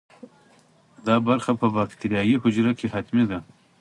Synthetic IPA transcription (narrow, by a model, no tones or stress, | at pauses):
d̪ɑbaɾxapʰəbakt̪ʰiɾijɑːjiɦʊd͡ʒɾakʰehat̪mid̪a